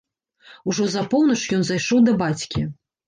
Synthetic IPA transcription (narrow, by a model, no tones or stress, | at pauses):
uʐɔzɐpɔwnɐt͡ʂjɔnzajʂɔwd̪ɐbat͡sʲkʲi